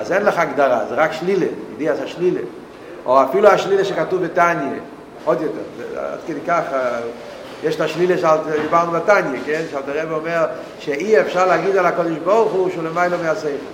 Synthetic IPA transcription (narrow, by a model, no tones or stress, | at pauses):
azɛnlaχaɡd̪aʁa̰zɛʁakʃlileediasaʃlilḛ | oafiluaʃlileʃekatuvbetanje | od̪jɔtɛʁz̰a̰d̪kəd̪ejkaχ | jeʃtaʃlileʃaltd̪ibaʁnubatanjekɛnʃealtaʁɛbeɔmeʁ | ʃeiɛfʃaʁlaɡid̪alhakodeʃboʁχuʃulemaɪlomeaseɪfɛ